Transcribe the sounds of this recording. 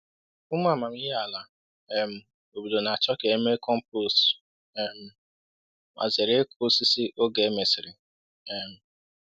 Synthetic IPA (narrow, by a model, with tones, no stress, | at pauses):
ʊ˦m˦a˦˨ma˨mi˦ɦa˨la˨ | e˦m̩˨ | o˨bu˨lo˨na˨a˨t͡ʃɔ˦ke˨e˦me˦kɔ˦m̩˦po˦˨s | ɛ˨m̩˨ | mʔa̰˨ze˨ɾe˦e˦kʰʊ˦si˦si˦ʔo˦ɡe˨˦me˨sɪ˨ɾɪ˨ | ɛ˨m̩˨